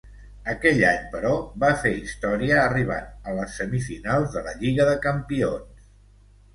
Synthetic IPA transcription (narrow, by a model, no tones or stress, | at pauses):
əkɛʎaɲpəɾɔβafeist̪ɔɾiəːriβ̞a̰t̪̚ələsːəmifinalˠzðələʎiɣəðəkəmpions